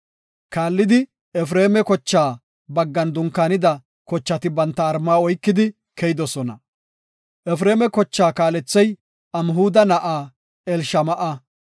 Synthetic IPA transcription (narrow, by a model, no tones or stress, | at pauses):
kaːlːɪd̪ɪ | ɛfɾeːmɛkɔt͡ʃːaː | bɐɡːɐnd̪ʊŋkːaːnɪd̪ɐ | kɔt͡ʃːɐt̪ɪbɐnt̪ːɐːɾmːaːɔjkːɪd̪ɪ | kɛjɪd̪ɔsɔnɐ̰ | ʔɛfɾe̞ːmɛkɔt͡ʃːaːkaːlɛt͡sːɛj | ɐmɦuːd̪ɐnɐʔaː | ɛlʃɐmɐʔɐ